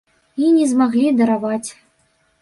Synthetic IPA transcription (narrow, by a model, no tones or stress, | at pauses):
inʲɛzmaɣlʲid̪ɐɾavat͡sʲ